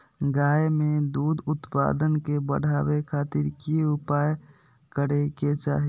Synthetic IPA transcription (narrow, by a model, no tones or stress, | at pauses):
ɡaːemed̪uːd̪ʊt̪pa̰d̪ənkebəɽ̤ʱaːwekʰaːt̪iɾkiʊpaːj | kəɽeket͡ʃa̰ːɦi